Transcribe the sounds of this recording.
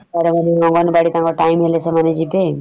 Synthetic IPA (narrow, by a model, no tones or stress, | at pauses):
aɾemaneɔŋɡɔnebaɽit̪ãŋkɔʈajmɦelesemaned͡ʒipe